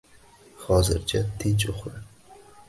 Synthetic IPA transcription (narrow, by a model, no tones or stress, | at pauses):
χɒzɪɾt͡ʃʰat̪ʰɪnt͡ʃoχɾɪ